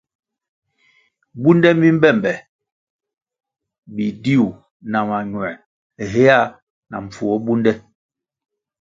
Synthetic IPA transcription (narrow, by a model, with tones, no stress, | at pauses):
bu˦ndɛ˦mi˦m̩˦bɛ˦˨mbɛ˨ | bi˨di˦u˨ | na˨ma˨ɲwɛ˨ | ɦe˦a˦˨ | na̰˨ɱ̩˨fu˨ɔ˦bu˦ndɛ˦